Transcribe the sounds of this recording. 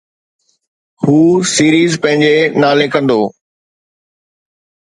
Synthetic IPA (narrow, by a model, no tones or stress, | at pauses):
huːsiːɾiːzpɐ̃ɦɪ̃ɲd͡ʑenaːlekɐ̃nd̪oː